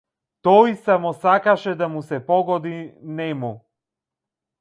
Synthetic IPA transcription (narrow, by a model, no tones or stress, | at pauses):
t̪ɔjsamɔsakaʃɛd̪amusɛpɔɡɔd̪inɛmu